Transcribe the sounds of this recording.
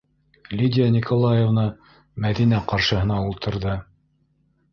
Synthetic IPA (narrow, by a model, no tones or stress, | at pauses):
lʲidʲjanʲikʰolˠajevnɤ | mæðinæqɑɾʃɤ̆ɦɤ̆nɑulˠt̪ɤ̆ɾðɤ